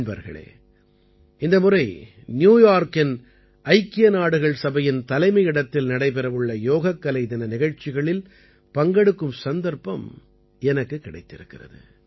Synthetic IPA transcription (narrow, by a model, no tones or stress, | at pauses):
nbɐ̰ɾɣɐ̰ɭḛː | ɪnd̪ɐmʊrɐɪ | njuːjaːɾkɪn | ʔɐɪkːɪjɐnaːɽɯɣɐɭsɐbɐjɪnt̪ɐlɐɪmɐɪɪɽɐt̪ːɪlnɐɽɐɪpɛɾɐʋɯɭːɐjoːɣɐkːɐlɐɪt̪ɐnɐnɪɣɐɻt͡ʃːɪɣɐɭɪl | pɐŋɡɐɽɯkːɯmsɐnd̪ɐɾpɐ̰m | ɛnɐkːɯkːɪɽɐɪt̪ːɪɾɯkːɪrɐ̰ðɯ̰